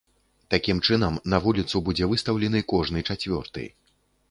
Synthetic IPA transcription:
t̪akʲimt͡ʂɨnɐmnɐvulʲit̪subud͡zʲɛvɨst̪ɐwlʲɛnɨkɔʐnɨt͡ʂat͡sʲvʲɔ̰rt̪ɨ̰j

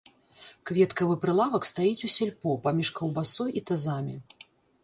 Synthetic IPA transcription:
kvʲɛt̪kɐvɨpɾɨlˠavɐkst̪ajit͡sʲusʲɛlʲpɔpamʲiʂkɐwbasɔjit̪azamʲi

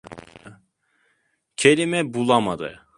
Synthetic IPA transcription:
cʰelʲimɛbulˠamad̪ɯ̰

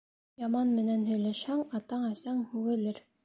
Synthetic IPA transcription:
jɑmɑnmɘ̆nænɦɵ̆jlæʃhæŋɑt̪ɑɴæsɑŋhʉɡɘ̆lɘɾ

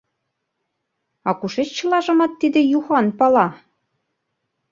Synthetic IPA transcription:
ɑkuʃet͡ɕt͡ɕɤ̆lɑʒɤ̆mɑt̪ːid̪ĕjuxɑnpɑlɑ

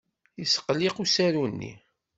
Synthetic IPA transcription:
jisə̥qliqusæɾunːḭ

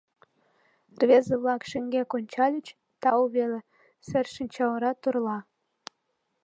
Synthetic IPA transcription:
rβʲezə̆βlˠɑkʃə̆ŋɡʲekonʲt͡ɕɑlʲət͡ɕ | t̪ɑuβelĕ | sɘrʃə̆nʲt͡ɕɑwəɾɑt̪urlˠɑ

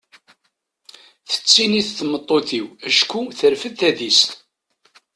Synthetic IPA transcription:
θə̥t͡sːiniθθəmət̪ˤːoθiwæʃkuθəɾfəθæðist̪

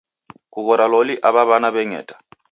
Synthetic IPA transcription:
kuɣɔɾaloliʔaβaβanaβɛŋɛ̰ːtʼḁ

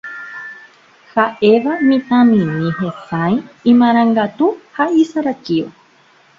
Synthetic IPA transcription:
haʔe̞ʋamĩt̪ãmĩnĩɦẽsajĩmãɾ̃ãŋɡat̪uhaisaɾat͡ʃio̰

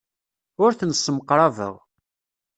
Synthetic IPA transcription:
ʊɾθənsːəmqːɾˤɑvə̰ʁ

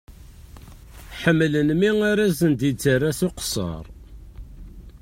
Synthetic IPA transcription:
ħəmːlənmiŋaɾæzənd̪it͡sːərːasuqsɑ̰ɾˤ

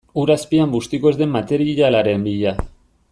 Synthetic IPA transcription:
uɾaspiambust̪ikoezd̪e̞mːat̪e̞ɾiʎalaɾe̞mbiʎa

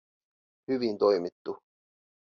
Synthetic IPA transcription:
hyʋint̪o̞jmit̪ːu

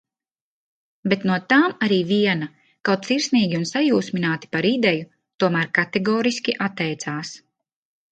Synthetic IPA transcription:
bet̪nuɔt̪aːmaɾiːviɛna | kawt̪̚siɾsniːɡʲiunsajuːsminaːt̪i̥paɾid̪ɛju | t̪uɔmæːɾkat̪ɛɡɔːɾiskʲiʔat̪ːɛjt̪saːs

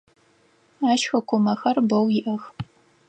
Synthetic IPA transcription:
aːʃxɐkʷʰʊmɐxɐrbɐwjɪʔɐx

